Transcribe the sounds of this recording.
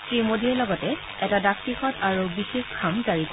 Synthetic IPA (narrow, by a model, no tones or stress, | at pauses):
sɹimodiɛlɔɡɔtɛ | ɛtadak̚tixɔtaɹubixexkʰamzaɹip